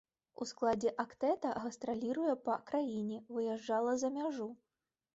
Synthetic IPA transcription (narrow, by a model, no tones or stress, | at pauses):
ṵsklˠad͡zʲɛʔakt̪ɛt̪ɐɣɐst̪ɾalʲiɾujɛpɐkɾajinʲɛvɨjɛʐd͡ʐalˠɐzɐmʲaʐu